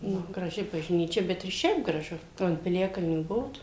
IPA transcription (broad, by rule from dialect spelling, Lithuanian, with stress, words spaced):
ˈnʊ ɡrɐˈʒʲɪ bɐʒʲˈnʲiːt͡ʃʲɛ ˈbʲɛt ɪr ˈʃʲɛɪp ɡrɐˈʒʊ ˈoː ɐnt pʲɪˈlʲæːkɐlʲnʲuː ˈbʊʋoːt